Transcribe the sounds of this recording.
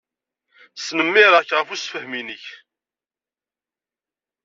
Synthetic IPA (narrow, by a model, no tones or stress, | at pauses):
snəmːɪɾˤəçʁəfusfəhminəç